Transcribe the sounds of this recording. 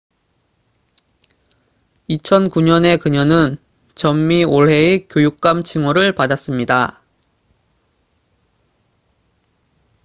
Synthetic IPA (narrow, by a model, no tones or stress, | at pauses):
it͡ɕʰʌnkuɲʌne̞kɯɲʌnɯn | t͡ɕʌmːioɭɦe̞ek͈jojuk̚k͈amt͡ɕʰiŋoɾɯɭpadas͈ɯmɲida